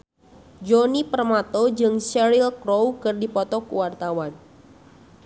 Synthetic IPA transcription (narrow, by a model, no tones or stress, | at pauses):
d͡ʒonipərmat̪od͡ʒɨŋsɛɾilkɾowkɨrdipɔt̪ɔkuwart̪awan